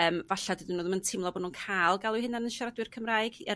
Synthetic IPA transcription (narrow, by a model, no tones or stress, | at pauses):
əːmvaɬadɨdɪnːoːðəməntʰɪmlˠɔboːdnuːənkʰalˠɡalˠʊhɪnanənʃaɾadwɨrkʰəmraːɨɡɛ